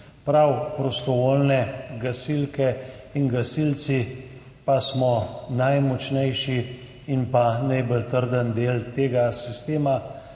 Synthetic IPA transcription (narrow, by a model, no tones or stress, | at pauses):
pɾawpɾɔst̪ɔʋoːlnɛɡasilkɛinɡasilt̪si | pasmɔnajmɔt͡ʃnɛjʃiː | npanajbəlt̪əɾd̪ənd̪eːlt̪eːɡasist̪eːma